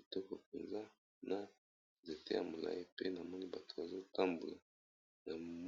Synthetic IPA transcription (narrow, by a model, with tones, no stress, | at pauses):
i˨tɔ˦kɔ˨p̚e˨nza˦ | na˦ | nze˨te˦ja̰˨mo˨la̰˦ji˦pe˦na˨mɔ˦ni˦ba˨tu̥˨ba˨zo˦ta˦mbu˨la˨ | na˨m